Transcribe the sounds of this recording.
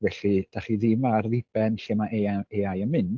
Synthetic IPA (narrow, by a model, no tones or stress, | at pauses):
vɛɬid̥aχiðɪmarðɪb̥ɛnɬemaʔeaeajənmɨnd̥